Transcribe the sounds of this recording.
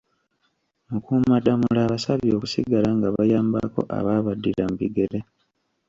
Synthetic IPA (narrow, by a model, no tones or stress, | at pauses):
mukuːmadamulaːβasaβio̞ːku̥siɡalaŋɡaβajaːmba̰ko̞̰ʔa̰βaːβadːilambiɡe̞le